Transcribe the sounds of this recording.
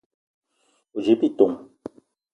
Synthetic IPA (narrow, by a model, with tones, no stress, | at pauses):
o˨d͡ʒe˨˦pi˦˨t̪o˨ŋ